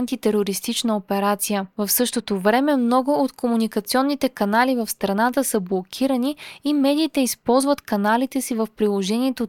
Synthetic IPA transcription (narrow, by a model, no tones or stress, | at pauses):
nt̪it̪ɛɾoɾist̪it͡ʃnəopɛɾat̪sijəvəfsɤʃt̪ot̪ovɾɛmɛmnɔɡʊot̪komunikɐt̪siɔnːit̪ɛkɐnalivəfst̪ɾɐnat̪əsəblˠokʲʰiɾəniːmɛd̪iːt̪ɛispɔlˠzvət̪kɐnalit̪ɛsivəfpɾilˠoʒɛniɛt̪o